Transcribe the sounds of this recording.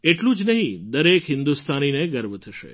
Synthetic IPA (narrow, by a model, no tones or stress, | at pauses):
eʈlũd͡ʒnəɦĩd̪əɾekɦɪnd̪ust̪ʰanineɡəɾbt̪ʰəʃḛ